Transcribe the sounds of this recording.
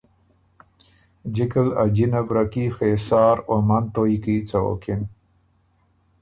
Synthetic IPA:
d͡ʒikəlad͡ʑinabɾakixesaːɾomant̪ojkit͡sao̰kin

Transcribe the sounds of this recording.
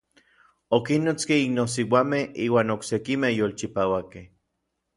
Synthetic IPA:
okinːot͡skeinos̬iwamehiːwaːnoksekimejolt͡ʃipawakeh

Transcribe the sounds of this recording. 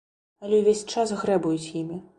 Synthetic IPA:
ɐlʲɛwvʲesʲt͡ʂasɣɾɛbujut͡sʲjimʲi

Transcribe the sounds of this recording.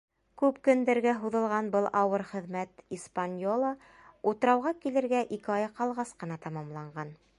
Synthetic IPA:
kʉpkɵ̆nd̪æɾɡæɦuðɤ̆lˠʁɑnbɤlˠʔɑwɤɾχɘ̆ðmæt̪ispanʲjolˠə | ut̪ɤ̆ɾɑwʁɑkilɘ̆ɾɡæʔikɘɑjɑqɑlˠʁɑsqɤ̆nɑt̪ɑmɑmlˠɑɴɢɑn

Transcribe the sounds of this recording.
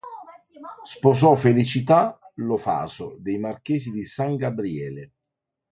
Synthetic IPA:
spɔz̬ɔfelit͡ʃit̪alofa̰ːzʊd̪ejmark̟ɛːzid̪isaŋɡabɾiɛːlɪ

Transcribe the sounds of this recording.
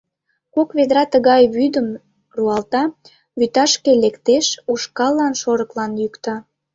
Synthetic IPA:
kokβed̪ɾɑt̪əɣɑjβyd̪əm | ruɑlt̪ɑ | βyt̪ɑʃkelekt̪eʃuʃkɑlːɑnʃoɾəklɑnjykt̪ɑ

